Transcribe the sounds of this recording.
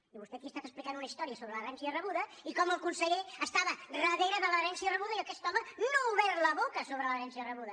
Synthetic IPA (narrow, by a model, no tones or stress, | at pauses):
iβust̪ɛkiəst̪at̪əsplikanunəist̪ɔɾiəsoβɾələɾɛnsiərəβuðəikɔməlˠkunsəʎeəst̪aβərəðeɾəðələːɾɛnsiərəβuðəiəkɛst̪ɔmənouβɛɾləβokəsoβɾələɾɛnsiərəβuðə